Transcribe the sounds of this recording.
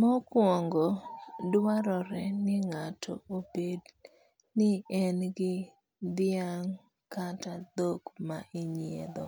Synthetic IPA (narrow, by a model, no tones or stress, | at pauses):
mɔkwɔŋɡɔdwaɾɔɾɛnɪŋatʰɔ̰obed | nɪɛnɡɪ | d̪ɪaŋ | katad̪okma̰ʔɪɲiḛd̪ɔ̰